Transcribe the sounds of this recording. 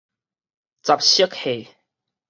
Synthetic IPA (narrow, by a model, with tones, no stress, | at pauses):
t͡sa˨˩p̚ɕə˦˥k̚he˨˩